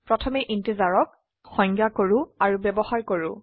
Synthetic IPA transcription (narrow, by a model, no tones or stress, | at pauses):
pɹɔtʰɔmɛʔintizaɹɔk̚ | xɔŋɡjakoɹuaɹubɛbɔxaɹkoɹʊ